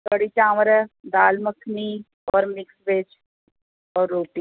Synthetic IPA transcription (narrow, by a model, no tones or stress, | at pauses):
kəɽit͡ʃãːmɾd̪aːlməkʰni | ɔːɾmɪksbeːd͡ʒ | ɔːɾːoːʈiː